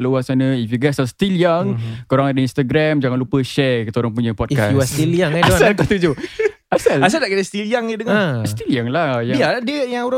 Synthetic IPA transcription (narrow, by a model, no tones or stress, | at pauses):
lowasanə̃ifjuɡasast̪iliaŋkoɾaŋadəinst̪aɡɾamd͡ʒaŋanlupəʃɛkət̪oɾaŋpuɲəpɔd̚ikasjuwast̪iliaŋadalkat̪ud͡ʒu | asalas̬aldaʔkit̪əst̪iliaŋidəŋast̪iliaŋlahjaijadiəjaŋoɾa